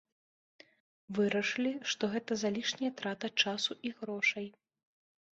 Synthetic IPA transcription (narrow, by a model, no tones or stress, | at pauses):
vɨɾɐʂɨlʲiʂt̪ɔɣɛt̪ɐzalʲiʂnʲɐjɐt̪ɾat̪ɐt͡ʂasuʔiɣɾɔʂɐj